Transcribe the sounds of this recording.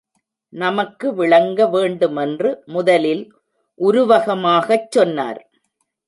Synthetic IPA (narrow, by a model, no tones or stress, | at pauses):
nɐmɐkːɯʋɪɭɐŋɡɐʋeːɳɖɯmɛndrɯmʊðɐlɪl | ʔʊɾʊʋɐɣɐmaːɣɐt͡ʃːɔnːa̰ːɾ